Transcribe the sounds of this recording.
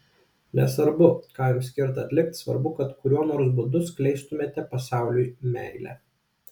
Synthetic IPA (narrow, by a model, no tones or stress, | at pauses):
nʲɛ̰sʋɐɾbʊkɑːjʊːsʲkʲɪɾt̪ɐɐt̪ʲlʲɪkt̪sʋɐ̰ɾbʊkɐt̪kʊɾʲuɔnoːɾsbʊd̪ʊsklʲɛɪst̪ʊmʲeːt̪ʲɛpɐsɑˑʊlʲujmʲæ̰ˑɪlʲæ̰ː